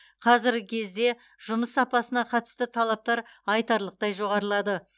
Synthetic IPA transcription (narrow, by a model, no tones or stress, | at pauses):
qʰɑzɪɾɡʲɪkʲʰe̞zd̪e̞ | ʒ̥ʊməsːɑpɑsənɑqʰɑt̪ə̥st̪ət̪ʰɑlˠɑp̚t̪ɑɾɑjt̪ɑɾlˠəq̚t̪ɑjʒo̞ʁɑɾəlˠɑd̪ə